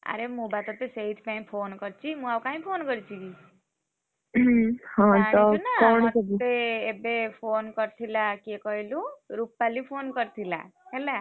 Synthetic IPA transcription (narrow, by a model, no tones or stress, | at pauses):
a̰ɾemũbat̪ɔt̪eseɦit̪ʰpaĩpʰonkɔɾt͡ʃʰimũawkãĩpʰonkɔɾit͡ʃʰiɡi | hɔ̃taɔinaonieːbepʰonkɔɾt̪ʰilakekɔɦiluɾupːalipʰonkɔɾt̪ʰila̰ela